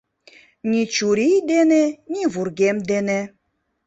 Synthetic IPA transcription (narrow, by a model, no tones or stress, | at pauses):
nʲit͡ɕuɾijd̪enenʲiβurɣemd̪ene